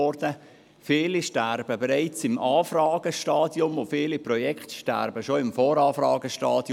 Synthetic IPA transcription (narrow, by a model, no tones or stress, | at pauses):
ɔɾdə | fiːliʃtæɾb̥əbɛɾaɪt͡sɪmʔɑːfrɑːɡəʃtɑːdjʊmofiːliprɔjɛkχtʃtæ̰ɾbəʃoɪmfoːɾɑːfɾɑːɡəʃtɑːd̥j